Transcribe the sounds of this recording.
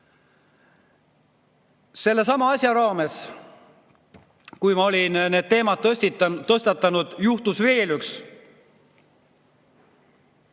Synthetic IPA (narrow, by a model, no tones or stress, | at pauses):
se̞lːe̞sɑmɑɑsʲjɑɾɑːme̞s | kujmɑo̞lʲinne̞ːd̪̚t̪e̞ːmɑt̪̚t̪ɤst̪ɑt̪ːˑɑnud̪̥juht̪usve̞ːlyks